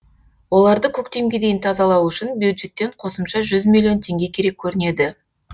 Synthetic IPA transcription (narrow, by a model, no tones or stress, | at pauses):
wo̞lˠɑɾd̪əkʲʰɵk̚t̪e̞mɡʲe̞d̪ejɪnt̪ʰɑzɑlˠɑwʏʃɪnbjud̪ʒe̞t̪ːe̞ɴqʰo̞səmʃɑʒʏzmʲilʲːijo̞nt̪ʰe̞ŋɡʲe̞kʲʰe̞ɾe̞kʲʰːɵɾɪne̞d̪ɪ